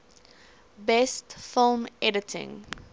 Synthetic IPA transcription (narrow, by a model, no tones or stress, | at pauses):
bɛstfɪlˠmɛdətʰɪ̰̃ŋ